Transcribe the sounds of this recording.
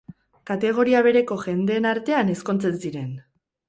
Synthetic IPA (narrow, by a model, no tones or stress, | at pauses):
kat̪e̞ɣ̞o̞ɾiaβ̞e̞ɾe̞ko̞ʝe̞nd̪e̞ːnaɾt̪e̞ane̞sko̞nt͡se̞nsiɾe̞n